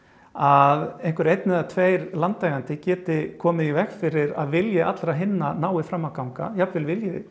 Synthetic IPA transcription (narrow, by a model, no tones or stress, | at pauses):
aðejŋ̥kʏɾejt̪nɪðat̪ʰveːjɾlant̪laːjɣant̪ɪcɛːt̪ɪkʰɔːmɪðivɛxkfɪɾɪɾa̰ðvɪljɪʔat̪lɾaɦɪnːanaːwɪfɾamːawkawŋka̰japvɪlvɪljɪðɪ̰